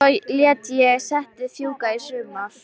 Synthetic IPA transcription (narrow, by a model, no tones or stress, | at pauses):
ɔjljɛt̪jɛsɛht̪ɪθjuːkaisʏːma